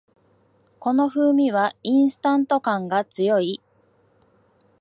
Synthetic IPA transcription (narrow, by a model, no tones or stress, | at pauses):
ko̞no̞ɸɯ̟ːmʲiβaĩɰ̃sɨ̥t̪ãnt̪o̞kãŋɡat͡sɨjo̞i